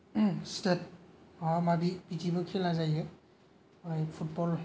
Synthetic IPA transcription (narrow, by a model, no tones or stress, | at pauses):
stet̚amabibitibɯkʰilazajɯ | ajpʰut̚bɔl